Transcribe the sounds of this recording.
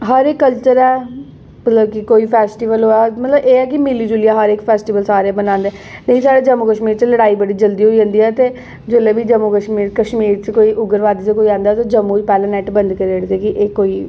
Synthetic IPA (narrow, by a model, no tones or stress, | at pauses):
ɦəɾekːəlt͡ʃəɾɛː | mət̪ləbkɪkoːiːpʰɛːsʈiːʋəlɦoːɛːmət̪ləbeːɛːk̬ɪmɪliːd͡ʒʊlijaːɦəɾɪkpʰɛːsʈiːʋəlsaːɾebənãːnd̪ɛ | leĩsaːɖeːd͡ʒəmuːkəʃmiːɾt͡ʃələɽaːiːbəɽiːd͡ʒəld̪iːɦoːiːd͡ʒãːnd̪iːɛːt̪eː | d͡ʒoːleːbiːd͡ʒəmːukəʃmiːɾkəʃmiːɾt͡ʃkoːiːʔʊɡəɾʋaːd̪iːt͡ʃekoːiãːnd̪aːt̪oːd͡ʒəmːũːt͡ʃpɛːlãːnɛːʈbənd̪kəɾeɽt̪ekɪʔeːkoːiː